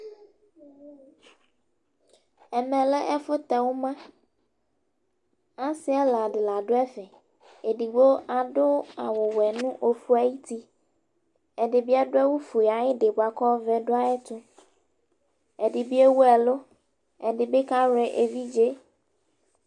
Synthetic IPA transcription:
ɛ˨mɛ̃˨lɛ˦ʔɛ˦fʊ˦t̪ɛ˨wo˦mã˦ | a˦si˦ɛ˦la˨ɖɪ˨la˨ɖo˦ɛ˦fɛ˨ | e˨ɖi˨ɡ͡bo˦a˨ɖʊ˦a˨wo˨wɛ˨nũ˦ʔo˨fu˦a˨ji˦t̪i˦ | ɛ˨ɖe˨bi˦a˦ɖo˦ɛ˦wu˦fu˨a˨jɪ˦ɖe˨ba˨kɔ˦vɛ˦ɖo˦a˦ɛ˦t̪ʊ˦ | ɛ˨ɖɪ˨bi˦e˦wu˦ɛ˨lo˦ | ɛ˨ɖɪ˨be˦ka˦wɛ˨ʔe˨vi˦d͡ʒe˦

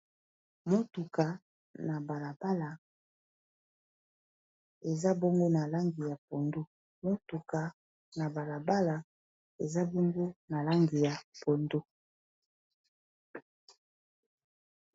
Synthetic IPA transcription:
mo˦tu˨ka˨ | na˨ba˨la˨ba˦la˨ | e˨za˦bo˦ŋɡo˦na˨la˦ŋɡi˨ja˨po˨ndo˦ | mo˦tu˨ka˨ | na˨ba˨la˨ba˦la˨ | e˨za˦bɔ˦ŋɡo˦na˨la˦ŋɡi˨ja˨po˨ndo˦

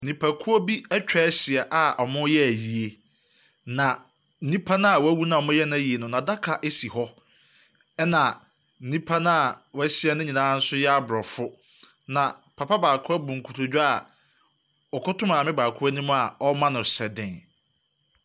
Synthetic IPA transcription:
nĩ˨pʰa˨kʰu˦o˦bi˦ɛ˦t͡ɕᶣɛ˦sɪ˨ɛ˨ʔa˨ʔɔ˨mʊ̃˦jɛ˦æ˨ji˨e˨ | nã˨ | n̩˦ĩ˦pʰa˦nã˦a˨wæ˦wu˦nã˦˨mʊ̃˦jɛ˦nʊ̃˦˨ji˨e˨nʊ̃˨nã˨da˦kʰa˨ʔe˦si˨hɔ˦ | ɛ˦nã˨ | n̩˨nĩ˦pʰa˦nã˦a˨wsi˦ɛ˨nʊ̃˦ɲĩ˨nãː˦n̩˦sʊ˦jɛ˦a˦bɾɔ˨fʊ˦ | nã˨pʰa˨pʰa˦baː˨kʰʊ˦ɛ˦bʊ̃˨ŋ̩˨kʰu˨tʰʊ˨d͡ʑᶣa˨ | ɔ˨kʰʊ˦tʊ̃˦mã˨mɪ̃˦baː˨kʰʊ˦æ˦nĩ˦m̃˦a˨ɔ˦mã˦nʊ̃˨sɛ˨dɪ̃˨n

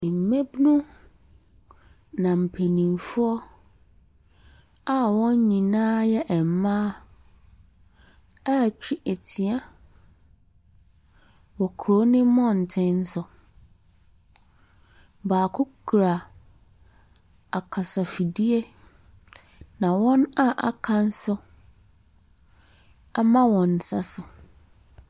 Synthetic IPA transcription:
m̩˨mẽ˦bnʊ̃˦ | nã˨m̩˨pʰe˨nĩ˨mfʊ˦ɔ˦ | a˦wɔ̃˦ɲ˦ɲĩ˨nãː˦jɛ˦ʔɛ˨m˨mã˦ | a˦˨t͡ɕʰᶣi˦ʔe˨tʰi˨a˦ | wɔ˨kʰɾo˨˦nɪ̃˦mɔ̃˦n̩˨tʰɪ̃˦n̩˦sʊ˨ | baː˨kʰʊ˦kʰɾa˨ | a˨kʰa˨sa˨fi˨di˦e˦ | nã˨wɔ̃˦na˦ʔa̰˨kʰã˦n̩˦sʊ˦ | a˦mã˦wɔ̃˨n˨sa˦sʊ˨

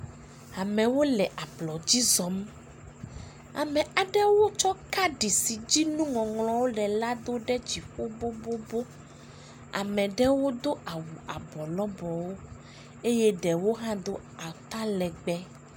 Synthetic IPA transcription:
a˨mɛ̃˨wo˦lɛ˨ʔa˨blɔ˨d͡ʑi˦zɔ˨m | a̰˨mɛ̃˨a˨ɖɛ˦wo˦t͡ʃɔ˦ka˦ɖi˨si˨d͡ʑi˦nũ˦ŋɔ̃˨ŋlɔ̃˨wo˦ɖɛ˨la˦d̪o˦ɖɛ˦d͡ʑi˨ɸo˦bo˦bo˦bo˦ | a̰˨mɛ̃˨ɖɛ˦wo˦d̪o˦ʔa˨wu˨a˨bɔ˨lɔ˦bɔ˨wo˦ | e˦jɛ˦ɖɛ˨wo˦ɦã˦d̪o˦ | a˨t̪a˦lɛ˨ɡ͡bɛ˦

